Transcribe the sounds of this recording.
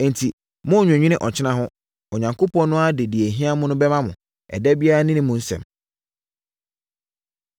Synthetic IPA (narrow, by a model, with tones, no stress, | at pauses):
n̩˨tʰi˨ | mʊ̃˦˨ɲᶣ˨ã˨ɲᶣĩ˦nɪ̃˦ʔɔ˨t͡ɕʰɪ˦nã˦ɦʊ̃˦ | ɔ˨ɲã˨ŋkʰo˦pɔ̃˦nnʊ̃˦a˦dɪ˨di˨e˨ɦĩ˦a˦mʊ̃˦nʊ̃˦bɛ˦mã˦mʊ̰̃˨ | ɛ̰˨dɛ˦bi˦a˦ɾa˦nɪ̃˦nɪ̃˦mʊ̃˨n̩˦sɛ̰̃˨m